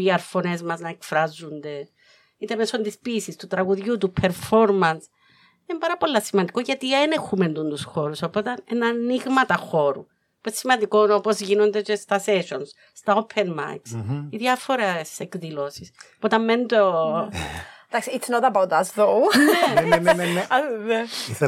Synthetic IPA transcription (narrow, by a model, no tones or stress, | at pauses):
iɐɾfo̞ne̞zmɐznɐekfɾɐzːund̪e̞ | it̪e̞me̞so̞nd̪ispiːsist̪ut̪ɾɐɣuðʝut̪upʰe̞ɾfo̞ɾmɐns | inembɐɾɐpo̞lːɐsimɐnd̪ikoʝɐt̪ienexume̞nd̪und̪usxo̞ɾuso̞po̞t̪ɐnenɐniɣmɐt̪ɐxo̞ɾu | puessimɐnd̪ikonopozʝino̞nd̪et͡ʃest̪ɐse̞ʃo̞ns | st̪ɐo̞pʰenma̰ksiðjɐfo̞ɾesekðilo̞sisopot̪ɐmːend̪o | d̪aksiisnot̪ɐbɐwd̪ɐsðoenenene